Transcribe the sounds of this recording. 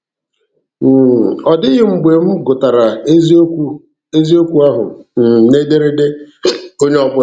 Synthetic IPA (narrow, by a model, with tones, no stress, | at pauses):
ɔ˨dɪ˦ɣɪ˦ŋ͡m̩˨ɡ͡be˨m̩˦ɡʊ˨ta˨ɾa˨˦z | e˦zi˦o˦kʷu˦a˦ɦʊ̰˨n̩˨ne˦de˦ɾɪ˦dɪ˦ | o˦ɲe˦ɔ˦bʊ˦